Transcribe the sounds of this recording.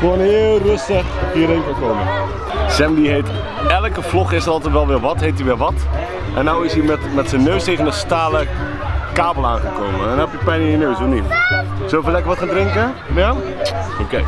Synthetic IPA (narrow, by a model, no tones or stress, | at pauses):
konɦɪːlˠrɵstəχɦiəɾenkakomə | sɛmdiɦejt | ɛlkəflɔχɪsəɾɑlˠtɛtʋɛlˠʋɪlˠʋɑtɦejt̬iʋɪlʋɑt | ʔɛnːawɪsimɛtmɛtsənːøɥstejvənənstaːlə | kaːbəlˠaːnχəkowmə̰ɛnɔpjəpɛjnɪnjənøɥsonitsovəlɛkəɹʋɑtχaːndrɪŋkə | ja | okej